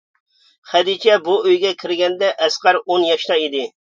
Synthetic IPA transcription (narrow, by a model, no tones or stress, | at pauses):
χɛd̪it͡ʃʰɛbuøjɡʲɛkʲʰɪɾɡʲɛnd̪ɛʔɛsqɑɾonjɑʃt̪ɑid̪ɪ